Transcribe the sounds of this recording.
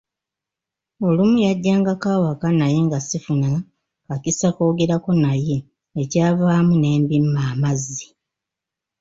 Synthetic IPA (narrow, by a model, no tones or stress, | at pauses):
o̞lumujaɟːaːŋɡakaːwakanaje̞ŋɡasifuna | kacisako̞ːɡe̞ɾako̞naje̞ː | caːvaːmune̞ːmbimːaːmazːi